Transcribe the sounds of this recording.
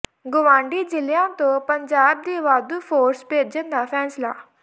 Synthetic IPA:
ɡʊʋãːɳɖiːd͡ʒɪlɪjãːt̪õːpəɲd͡ʒaːb̚d̪iːʋaːd̪uːpʰoːɾspeːd͡ʒənd̪aːpʰɛːsla̰ː

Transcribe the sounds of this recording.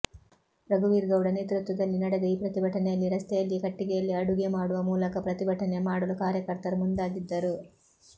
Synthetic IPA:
ɾɐɡuʋiːɾɡɐwɽɐneːt̪ɾut̪ʋud̪ɐlːinɐɽɐɡeiːpɾɐt̪ibʱɐʈʰɐnejɐlːiɾɐst̪ʰɛjɐlːikɐʈːiɡɛjɐlːiɐɽuɡemaːɽuʋɐmuːlɐkɐpɾɐt̪ibʱɐʈɐnemaːɽɐlukaːɾjɐkɐɾt̪ɐɾmund̪aːɡid̪ːɐɾu

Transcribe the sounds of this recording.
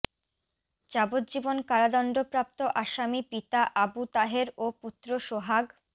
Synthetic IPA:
d͡ʑabot̪̚d͡ʑibonkaɾad̪ɔnɖopɾap̚t̪oʔaʃamipit̪aʔabut̪aɦeɾoput̪ːɾoʃoɦaɡ

